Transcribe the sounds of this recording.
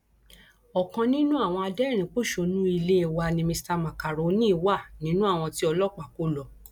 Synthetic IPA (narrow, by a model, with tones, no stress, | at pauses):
ɔ˨kã˧nĩ˦nũ˦a˦˨w̃ɔ̃˧a˧dɛ˦˨ɾ̃ĩ˨˦k͡po˦˨ʃo˧˨nũ˦i˧le˦e˦˨wa˧nĩ˧mĩ˧sta˧mã˨ka˨ɾo˨˦nĩ˦wa˦˨nĩ˦nũ˦a˦˨w̃ɔ̃˧ti˦ɔ˧lɔ˦k͡pa˨ko˦lɔ˧˨